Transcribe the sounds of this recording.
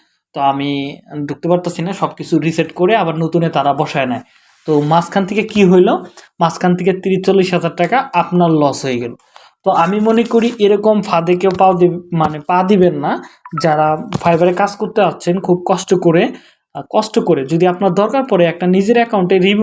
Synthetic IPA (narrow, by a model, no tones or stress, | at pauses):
t̪oamid̪ʱuk̚t̪epaɾt̪asʰinaʃɔb̚kit͡ɕʰuɾiseʈkoɾeabaɾnot̪unet̪aɾabɔʃaenae | t̪omaskʰant̪ʰekekiɦojlomaskʰant̪ʰeket̪iɾit͡ɕolːiʃɦad͡ʑaɾʈakaapnaɾlɔsɦojeɡɛlo | t̪oamimonekoɾiʔeɾɔkomfʰad̪ekepamanepad̪ibenːad͡ʑaɾafajbaɾekad͡ʑkoɾt̪east͡ɕʰenkʰub̚kɔʃʈokoɾe | kɔʃʈokoɾed͡ʑod̪iapnaɾd̪ʱɔɾkaɾpɔɾeɛk̚ʈanid͡ʑeɾɛkawɳʈeɾib